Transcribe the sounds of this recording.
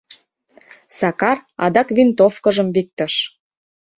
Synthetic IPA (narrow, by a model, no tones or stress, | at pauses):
sɑkɑrɑd̪ɑkvint̪ofkə̆ʒə̆mvik̚t̪ə̆ʃ